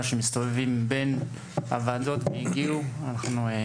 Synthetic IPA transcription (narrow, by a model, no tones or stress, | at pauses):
ʃemist̪o̞vevimben | a̰vad̪o̞t̪meiɡiuanaχnue